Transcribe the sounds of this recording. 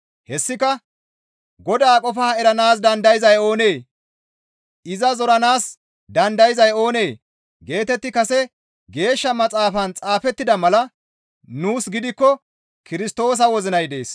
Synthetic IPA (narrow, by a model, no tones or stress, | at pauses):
hɛsːɪkɐ | ɡɔd̪aːkʼɔfaːɛɾɐnaːs̬d̪ɐnd̪ɐjɪzɐjo̞ːne̞ː | ɪzɐzɔɾɐnaːs | d̪ɐnd̪ɐjɪzɐjo̞ːneː | ɡe̞ːt̪ɛt̪ːɪkɐsɛ | ɡe̞ːʃːɐmɐt͡sʼaːfɐnt͡sʼaːfɛt̪ːɪd̪ɐmɐlɐ | nuːsɡɪd̪ɪkːɔ | kɪɾɪst̪o̞ːs̬ɐwɔzɪnɐjd̪e̞ːs